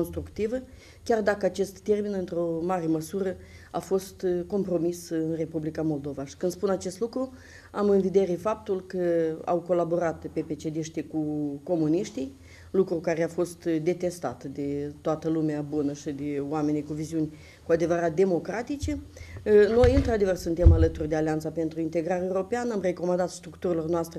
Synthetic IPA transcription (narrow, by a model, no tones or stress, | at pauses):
onst̪ɾukt̪ivə | kʲard̪akəat͡ʃe̞st̪ːe̞rminɨnt̪ɾo̞maɾe̞məsuɾə | afo̞st̪ko̞mpɾo̞misɨnre̞publikamo̞ld̪o̞vaʃi̥kɨnd̪spunat͡ʃe̞st̪lukɾu | amɨnvid̪e̞ɾefap̚t̪ulkəa̰wko̞labo̞ɾat̪pe̞pe̞t͡ʃe̞d̪iʃt̪ikuko̞muniʃt̪ij | lukɾukaɾeafo̞st̪d̪e̞t̪e̞st̪a̰t̪d̪e̞t̪oat̪əlumeabunəʃid̪eoame̞nijkuviziunʲ | kuad̪evəɾat̪̚d̪e̞mo̞kɾat̪it͡ʃe̞ | no̞jɨnt̪ɾad̪e̞vərsunt̪e̞malət̪urʲd̪ealeant̪sape̞nt̪ɾuint̪e̞ɡɾaɾewɾo̞peanamre̞ko̞mand̪at̪st̪ɾukt̪uɾilo̞rnoast̪ɾe